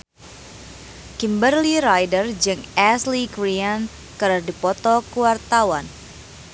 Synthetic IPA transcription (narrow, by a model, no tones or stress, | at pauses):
kimbərliɾajdərd͡ʒɨŋɛslikɾian | kɨɾərdipɔt̪ɔkuwart̪awan